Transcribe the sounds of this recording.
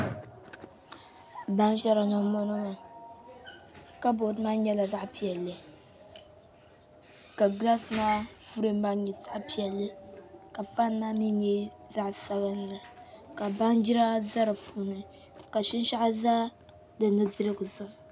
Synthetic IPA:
ba˦ŋʒɛ˦ɾa˨nɔ˨mɔ˦no˦ma˨ | ka˦bo˨dma˦ɲɛ˦la˨za˦ʔpi˨ɛ˨lːɨ˨ | ka˨ɡla˦snaː˦fu˦ɾe˦m˦ba˦ŋ˦ɲi˨sa˦ʔpi˨ɛ˨lːɨ˦ka˨fa˦n˦na˦mi˦ɲɛ˦ | za˦ʔsa˦bɨ˦n˦la˨ka˨ba˦ŋd͡ʒi˦ɾa˦za˦ɾɨ˨fuː˨nɨ˨ | ka˨ʃi˦n˦ʃa˦ʔa˦za˦ | dɨ˨nɨ˦zɨ˦ɾɨ˦ɡɨ˨zʊ˦ʔ

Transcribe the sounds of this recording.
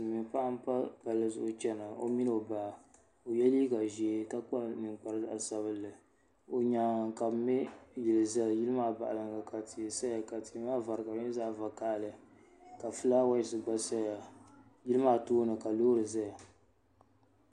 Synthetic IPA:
mi˨ŋpa˦ʔa˦m˦pa˦ba˨lɨ˦zʊ̰˦ʔʊ˦t͡ʃɛ˦na˨o̰˦mi˦n˦˨o˨baː˨ | o˨jɛ˦liː˦ka˨ʒi˨e˦ka˦k͡pa˦nɨ˨ŋk͡pa˨ɾɨ˦a˨sa˨βɨ˦lːɨ˨ | o˨ɲa˨ka˨bmɪ˦ji˨lɨ˨za˦˨ji˦lɨ˦maː˦ba˨ʔa̰˨lɨ˨ŋɡa˨ka˨tʰi˨sa˦a˨ka˨ti˨˦ma˦va˨ɾɨ˨ka˨˦ɪ˦zaː˦˨va˨ka˦˨lɨ˨ | ka˨fɨ˦la˦wa˦ji˨sɨ˨ɡ͡ba˦sa˦a˨ | ji˦lɨ˦maː˦toː˦nɨ˨ka˨loː˦ɾɨ˨za˦ja˨

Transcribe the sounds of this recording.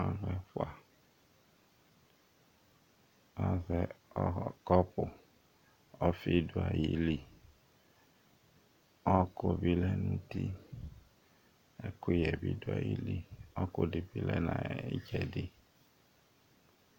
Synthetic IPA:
a˦ɣɛ˦fʊ˦a˨ | ɔ˦zɛ˨˦ | kɔ˦pʊ˨ | ɔ˦fi˦dʊ˨a˨ji˦li˦ | ɔ˦ko˦bi˦lɛ˦nũ˦ti˦ | ɛ˦ko˦jɛ˨bi˦dʊ˦a̰˨ji˦li˦ɔ˦kʊ˦dɪ˨bi˦lɛ˦nã˨e˦d͡ʒɛ˨dɪ˦

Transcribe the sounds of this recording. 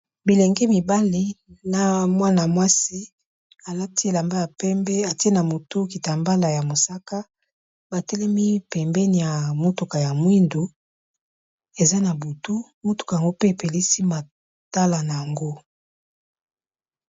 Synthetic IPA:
bi˨lɛ˨ŋɡɛ˦mi˨ba˦li˦na˨mwa˦na˨mwa˦si˦ | a˨la˦ti˦e˨la˨mba˦ja˨pɛ˦mbɛ˦a˨ti˦e˦na˨mo˨tu˦ki˨ta˨mba˦la˨ja˨mo˨sa˦ka˦ | ba˨tɛ˦lɛ˦mi˦pɛ˨mbɛ˦ni˨ja˨mo˦tu˨ka˨ja˨mwi˦ndu˨ | e˨za˦na˨bu˨tu˦ | mo˦tu̥˨ka˨ja˨ŋɡo˦pe˦e˨pe˨li˦si˦ma˨ | ta˦la˨na˨ja˨ŋɡo˦

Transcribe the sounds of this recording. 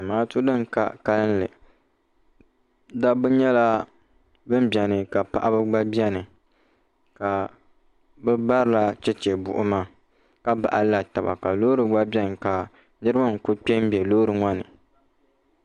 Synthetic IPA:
a˨maː˦tʊ˦dɨ˦ŋ˨ka̰˦ka˦lɨ˦n˦lɨ̰˨ | da˦bɨ˦ɲɛ˦la˦ | bɨ˦m˦bɛ˨nɨ˨ka˨pa̰˨ʔa˦bɨ˦ɡ͡ba˦bi˦ɛ˦nɨ˨ | ka˨ | bɨ˦ba˦ɾɨ˨la˦t͡ʃɛ˦t͡ʃɛ˨bʊ̰˨ʔʊ˦ma˦ | ka˦ba̰˨ʔa˦la˨ta˨ba̰˨ka˨loː˦ɾɨ˨ɡ͡ba˦bi˦ɛ˦nɨ˨ka˨ | nɨ˦ɾɨ˦ba˦ŋ̩˨kʊ˦k͡pʲɛ˦m˦bɛ˨loː˦ɾɨ˨ŋɔ˦nɨ˨

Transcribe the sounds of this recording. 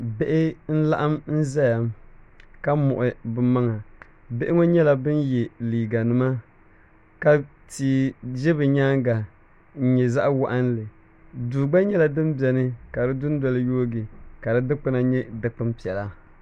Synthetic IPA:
be˦ʔɪ˦n̩˦la˦ʔa˦mn̩˦za˦ja˨mka˦mʊ̰˨ʔʊ˨bɨ˦ma˦ŋa˨ | be˦ʔɪ˦ŋo˦ɲɛ˦la˦bɨ˦njɛ˨liː˨ɡa˨nɨ˨ma˦ | ka˦ | tiː˨d͡ʒɛ˦bɨ˨ɲaː˦ŋɡa˨ | n̩˦ɲɛ˨za˦ʔwa˦ʔa˦n˦lɨ˨ | duː˨ɡ͡ba˦ɲɛ˦la˨dɨ˦mbjɛ˨nɨ˦ka˨dɨ˦dʊ˦n˦dɔ˦lɨ˦joː˦ɡɪ˨ka˨dɨ˦dɨ˦k͡pɨ˦na˨ɲɛ˦dɨ˨k͡pɨ˦mpi˨ɛ˨la˦

